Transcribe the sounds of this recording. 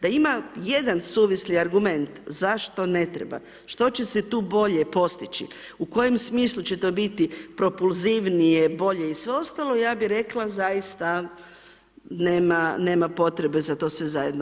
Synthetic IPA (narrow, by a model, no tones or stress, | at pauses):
d̪aimaje̞d̪ansuːʋisliaɾɡume̞nt̪zaʃt̪o̞ne̞t̪ɾḛba̰ | ʃt̪o̞t͡ɕe̞set̪uːbo̞ʎe̞po̞st̪it͡ɕḭ | uko̞jemsmiːslˠut͡ɕe̞t̪o̞ːbit̪ipɾo̞pulˠziʋnijebo̞ʎe̞isʋeo̞st̪alˠoijaːbiɾe̞klazajist̪a | neːmane̞ːmapo̞t̪ɾebe̞zat̪o̞ːsʋe̞zajed̪no